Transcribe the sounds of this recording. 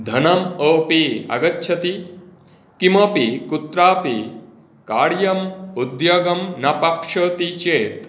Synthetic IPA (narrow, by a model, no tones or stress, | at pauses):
d̪ʱɐnɐmopiɐ̰ɡɐtːt͡ʃʰɐt̪i | kimɐpikut̪ɾaːpi | kaːɽjɐmud̪jɐːɡɐmnɐpɐpʂɐːt̪it͡ʃeːt̪